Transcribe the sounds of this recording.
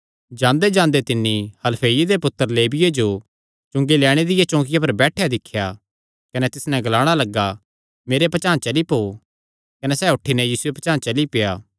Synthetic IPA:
d͡ʒãːnd̪ed͡ʒãːnd̪et̪ɪnːihɐlpʰeːjid̪epʊt̪ːəɾleːbɪjed͡ʒo | t͡ʃʊ̃ŋɡilɛːɽ̃ed̪ɪjat͡ʃɔ̃ːkɪjap̬ɐɾbɛːʈʰjad̪ɪkʰːja | kɐnɛt̪ɪsnɛ̃ɡɐlaːɽ̃alɐɡːa | meːɾepɐt͡ʃãːt͡ʃɐlipoː | kɐnesɛːʊʈʰːinɛ̃jiːsuepɐt͡ʃãːt͡ʃɐlipejaː

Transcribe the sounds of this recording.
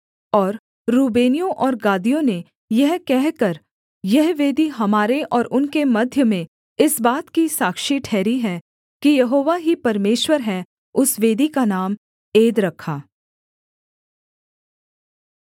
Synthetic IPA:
ɔːɾː | uːbeːnijõʔɔːɾɡaːd̪ijõne | jɐɦkɛɦkɐɾ | jɐɦʋeːd̪iɦɐmaːɾeʔɔːɾʊnkemɐd̪ʱjəmẽ | ɪsbaːt̪kisaːkʃiʈʰɛːɾiɦɛ | kijɐɦoːʋaɦipɐɾmeːʃwəɾɦɛ | ʊsʋeːd̪ikanaːm | eːd̪ɾɐkʰːaː

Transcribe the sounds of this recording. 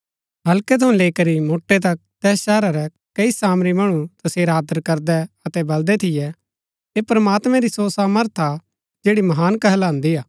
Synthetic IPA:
ɦɐlkɛt̪ʰɐũleːikɐɾimoːʈːet̪̬ɐk̚t̪ɛːsʃɛːɾaɾɛ | kɐisaːmɾimɐɽ̃ũt̪ɐseːɾaːd̪əɾkɐɾd̪ɛɐt̪ɛbɐld̪ɛt̪ʰɪjɛ | epɾɐmaːt̪mɛ̃ɾisosaːməɾt̪ʰa | d͡ʒeːɽimɐɦaːnkɐɦɛlãːnd̪ijaː

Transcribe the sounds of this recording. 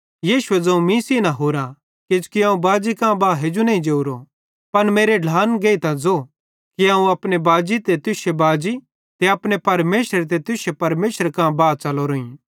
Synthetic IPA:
jiːʃʊed͡zɐ̃ũmĩsinãɦoːɾã | kɪd͡ʒkiãːũbaːd͡ʒikãbaːɦed͡ʒunɐĩd͡ʒeuɾo | pɐnmeːɾeɖʱaːnɡeːit̪ãd͡zo | kiãːũɐpnebaːd͡ʒit̪et̪ʊʃebaːd͡ʒi | t̪eɐpnepɐɾmeːʃɾt̪̬et̪ʊʃepɐɾmeːʃəɾkãbaːt͡ʃɐloɾoːĩ

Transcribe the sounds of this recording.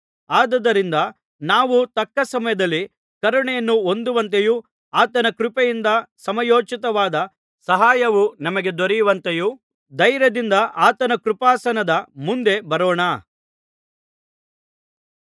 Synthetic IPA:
aːd̪ɐd̪ɐɾind̪ɐ | naːʋut̪ɐkːɐsɐmɐjɐd̪ɐlːi | kɐɾuɳɛjɐnːuond̪uʋɐnt̪̬eju | aːt̪ɐnɐkɾupejind̪ɐsɐmɐjoːt͡ʃit̪ɐʋaːd̪ɐ | sɐɦaːjɐʋunɐmɐɡe̞d̪oɾijuʋɐnt̪eju | d̪ɐjɾɐd̪ind̪ɐʔaːt̪ɐnɐkɾupaːsɐnɐd̪ɐmund̪e̞bɐɾɔːɳa

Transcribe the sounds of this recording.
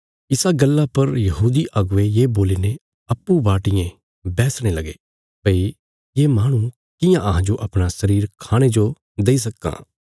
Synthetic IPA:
ɪsaɡɐlːapɐɾjɐɦuːd̪iʔɐɡʊʋejeːboːliːne | ɐpːubaːʈɪjẽ | bɛːsɽ̃elɐɡe | pɐi | jeːmaːɽ̃ũ | kɪjãʔɐɦãd͡ʒoʔɐpɽ̃asɐɾiːɾkʰaːɽ̃ed͡ʒo | d̪eːis̬ɐkːã̰ː

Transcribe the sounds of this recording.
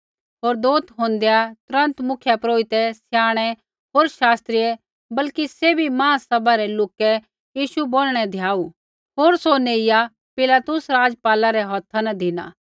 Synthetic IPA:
ɦoːɾd̪oːt̪ʰɦõːnd̪ejat̪ʊɾɐ̃nt̪mʊkʰjapɾoːɪt̪ɛsjaːɽ̃ɛ | ɦoːɾʃaːst̪ɾijɛ | bɐlkisebʱimãːsɐbʱaɾɛloːkɛ | jiːʃuboːlɽ̃ɛd̪ʱjaːu | ɦoːɾsoneːɪja | pɪlaːt̪ʊsɾaːd͡ʒpaːlaɾɛɦɔt̪ʰanɐd̪ʱɪna̰ː

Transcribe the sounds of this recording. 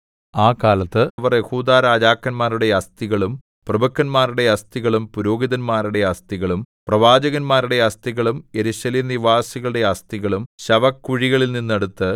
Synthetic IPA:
aːkaːlɐt̪ːɨʋɐrje̞huːd̪aːɾaːd͡ʑaːkːɐnmaːɾuɽe̞ɐst̪iɣɐɭum | prɐbɐkːɐnmaːɾuɽe̞ɐst̪iɣɐɭumpuɾo̞ːɡiðɐnmaːɾuɽe̞ɐst̪iɣɐɭum | prɐʋaːd͡ʑɐɣɐnmaːɾuɽe̞ɐst̪iɣɐɭume̞ɾuɕɐliːniʋaːsiɣɐɭuɽe̞ɐst̪iɣɐɭumɕɐʋɐkːuɻiɣɐɭilninːeɽut̪ːɨ

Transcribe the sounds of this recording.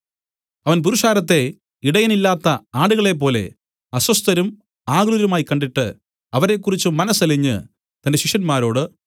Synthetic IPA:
ɐʋɐnp̬uɾuʂaːɾɐt̪ːe̞ | iɽɐjɐnilːaːt̪ːɐaːɽuɣɐɭe̞p̬ːo̞ːle̞̰ | ɐsɐst̪ɐɾum | aːɡɾuɾɐmaːjkːɐɳɖiʈːɨ̰ | ɐʋɐɾe̞kːurit͡ɕːumɐnɐsɐliɲːɨ̰ | t̪ɐnde̞ɕiʂjɐnmaːɾo̞ːɽɨ

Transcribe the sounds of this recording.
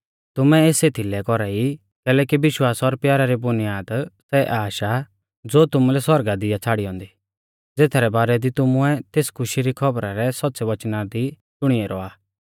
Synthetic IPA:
t̪ʊmɛeːseːt̪ʰilɛkɔɾai | kɛːlɛːkibɪʃwaːsɔɾpjaːɾaɾibʊnɪjaːd̪sɛʔaːʃa | d͡zoːt̪ʊmulɛswɔɾɡad̪ɪjat͡sʰaːɽiɔ̃ːnd̪i | d͡zeːt̪ʰaɾɛbaːɾɛd̪it̪ʊmʊɛt̪eːskʰʊʃiɾikʰɔbɾaɾɛsɔt̚ːsɛʋɐt͡ʃnad̪i | t͡ʃʊɽ̃iɛɾɔaː

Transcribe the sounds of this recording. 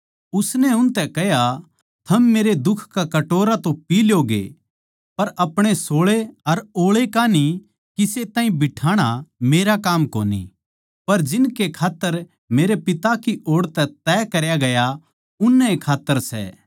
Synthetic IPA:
ʊsnɛʊnt̪ɛkɐɦja | t̪ʰɐmːeːɾed̪ʊkʰkakɐʈoːɾat̪õpiːljoɡḛ | pɐɾɐpɽ̃esoːɭeɐɾoːɭekani | kiset̪ãːĩbɪʈʰaːɽ̃ameːɾakaːmko̰ːnḭ | pɐɾd͡ʒɪnkekʰaːt̪ːəɾ | meːɾepɪt̪akiʔoːɽt̪ɛt̪ɛːkɐɾjaɡɐja | ʊnːɛekʰaːt̪ːəɾsɛ̰

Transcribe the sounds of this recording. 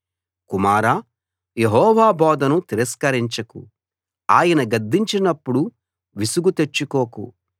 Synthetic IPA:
kumaːɾaː | jeɦɔːʋaːbɔːd̪ɐnut̪iɾɐskɐɾiɲt͡ʃɐkṵ | aːjɐnɐɡɐd̪ːiɲt͡ʃinɐpːuɽu | ʋisuɡut̪e̞t͡ʃːukoːkṵ

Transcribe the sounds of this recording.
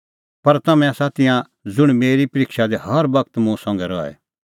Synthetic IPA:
pɐɾt̪ɐmɛ̃asat̪ɪjã | d͡zʊɽ̃meːɾipɐɾɪkʃad̪ehɐɾbɐkt̪mʊ̃sɔ̃ːŋɡɛɾɔɛ̰

